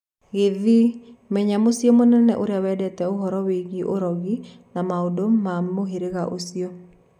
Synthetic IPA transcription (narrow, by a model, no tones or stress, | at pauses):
ɣeðimɛɲamosjomonɛnɛ̰ʔoɾeawɛdɛtɛoɦɔɾɔweɣiʔoɾɔɣi | namaodomamoɦeɾeɣaʔosio